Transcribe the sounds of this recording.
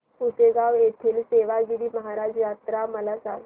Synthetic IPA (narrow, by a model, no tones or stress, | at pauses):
useɡaʋjet̪ʰiːlseʋaɡiɾiːməɦaɾad͡ʑjat̪ɾaməlasaŋ